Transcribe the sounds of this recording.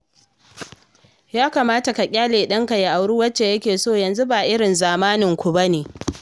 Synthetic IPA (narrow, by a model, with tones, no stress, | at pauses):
jaː˦kaː˨maː˦ta˨ka˨kʲʼaː˦leː˨ɗɐ˦ŋka˨ja˨ʔa˨wɽuː˦wɐ˦t͡ʃːe˨jɐ˦kʲeː˨soː˦˨jɐ˨nzu˦baː˨ʔɪ˦ɽɪ˨nzaː˨maː˦nɪ˨ŋkʷu˨bɐ˦neː˨